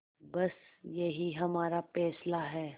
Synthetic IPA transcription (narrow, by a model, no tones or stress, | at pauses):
bɐsjɐɦiɦɐmaːɾafɛːslaɦɛː